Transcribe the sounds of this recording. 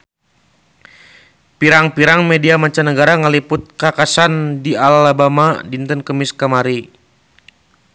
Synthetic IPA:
piɾaŋpiɾaŋmediamat͡ʃanəɡaɾaŋəlipʊt̪̚kakasandialabamadint̪ənkəmiskamaɾi

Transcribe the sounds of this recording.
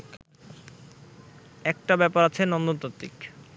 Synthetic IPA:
ɛk̚ʈabɛpaɾat͡ɕʰenɔnd̪ot̪at̪ːik

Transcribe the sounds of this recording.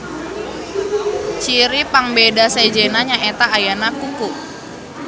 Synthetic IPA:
t͡ʃiɾipaŋbedased͡ʒenaɲaʔet̪aːjanakukuʔ

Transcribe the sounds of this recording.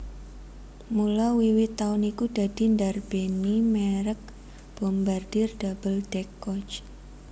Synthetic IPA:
mulɔwiwɪt̪ːaʊnikud̪̥a̤d̥i̤ndarb̥enimeɾək̚ | b̥ɔmbard̥ɪrd̥ab̥əld̪̥ɛkɔt͡ʃ

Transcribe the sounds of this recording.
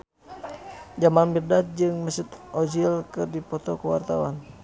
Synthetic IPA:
d͡ʒamanmirdat̪̚d͡ʒɨŋməsit̪ʔɔd͡ʒilkɨrdipɔt̪ɔkəwa̰rt̪awa̰n

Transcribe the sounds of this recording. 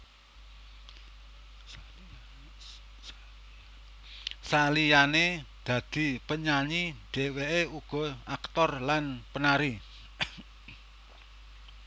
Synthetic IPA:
salijane | d̪̥ä̤d̪̥i̤pəɲaɲiɖ̪̥e̤weʔeuɡ̥ɔ̤akt̪ɔrlanpənaɾi

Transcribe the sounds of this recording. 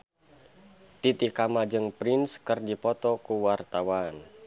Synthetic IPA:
t̪it̪ikamad͡ʒɨŋpɾinskərdipɔt̪ɔkuwart̪awan

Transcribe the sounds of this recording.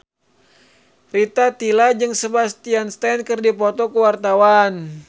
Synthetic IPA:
rit̪at̪ilad͡ʒɨŋsəbast̪ianst̪ɛnkɨrdipɔt̪ɔkəwart̪awan

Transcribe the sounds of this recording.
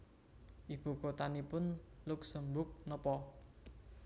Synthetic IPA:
ʔib̥ṳkot̪anipʊnlʊksəmbʊk̚nɔpɔ

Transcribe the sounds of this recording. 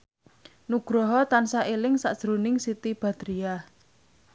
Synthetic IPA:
nuɡ̥ɾɔɦɔt̪ansaʔelɪŋsa̰ʔd̥ʒ̥ɾunɪŋsit̪ib̥ä̤d̪̥ɾia

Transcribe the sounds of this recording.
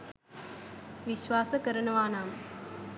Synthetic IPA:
ʋiʃʋaːsəkəɾəɳɐʋaːnaːm

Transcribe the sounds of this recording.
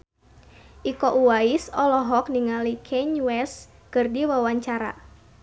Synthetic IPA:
ʔikɔʔuwaisɔlɔɦɔk̚niŋalikʰɛɲwɛs | kɨrdiwawaɲt͡ʃaɾa̰

